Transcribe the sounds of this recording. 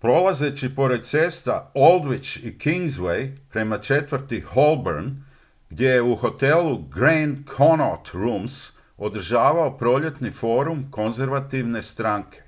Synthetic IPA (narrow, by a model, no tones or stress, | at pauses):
pɾo̞laze̞t͡ɕipo̞ɾed̪̚t̪se̞ːst̪a̰o̞lˠd̪ʋit͡ʃikiŋɡzʋejpɾe̞mat͡ʃe̞t̪ʋəɾt̪iho̞lˠbeɾn | ɡ̥d̪je̞je̞uho̞t̪e̞luɡɾenkʰonot̪ɾums | o̞d̪r̩ʒaːʋao̞pɾo̞ːʎe̞t̪nifo̞ːɾumko̞nze̞ɾʋat̪iʋne̞st̪ɾaːŋkʰe̞̥